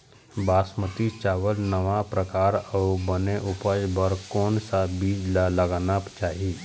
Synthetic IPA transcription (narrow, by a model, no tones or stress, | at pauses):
baːsmət̪it͡ʃaːʋəlnəʋapɾəkaːɾəbəneʔʊpad͡ʒbəɾkɔːnsabiːd͡ʒlaləɡaːnapt͡ʃaːɦiː